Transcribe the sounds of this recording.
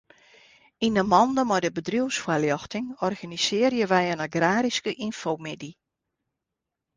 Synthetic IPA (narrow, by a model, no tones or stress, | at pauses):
inəmɔndəmɔjdəbədriwsfwaljɔxtɪŋɔrɣanisɪərjəʋɛjənaɡraːɾiskəʔinfowmɪdi